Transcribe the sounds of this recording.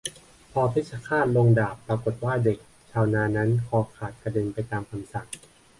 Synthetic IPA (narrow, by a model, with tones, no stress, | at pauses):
pʰɔː˧pʰi˥˩t͡ɕʰa˧kʰaː˥˩nlo˧ŋdaː˨˩pːɾa˧ko˨˩t̪̚waː˥˩de˨˩k̚ | t͡ɕʰaː˧wnaː˧na˦˥nkʰɔː˧kʰaː˨˩t̪̚pɾa˧de˧npa˧jt̪aː˧mkʰa˧msa˨˩ŋ